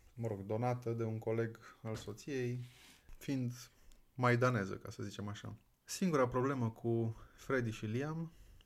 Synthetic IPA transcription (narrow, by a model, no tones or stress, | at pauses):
məɾo̞ɡd̪o̞nat̪əd̪e̞uŋko̞le̞ɡalso̞t̪sije̞jfind̪majd̪ane̞zə̰kasəzit͡ʃe̞maʃa̰ | siŋɡuɾapɾo̞ble̞məkʰufɾe̞d̪iʃiliam